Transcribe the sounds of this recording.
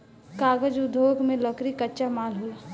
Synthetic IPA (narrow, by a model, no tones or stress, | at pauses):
kaːɡəd͡ʒʊd̪ʱokmẽləkɾikətːt͡ʃamaːlɦola